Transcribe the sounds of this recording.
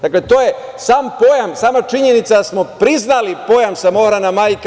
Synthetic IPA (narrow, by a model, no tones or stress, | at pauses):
d̪̥aklet̪o̞je̞ | saːmpo̞jamsaːmat͡ʃiɲenit̪sad̪asmo̞pɾiznalipo̞jamsamo̞xɾanamaːjk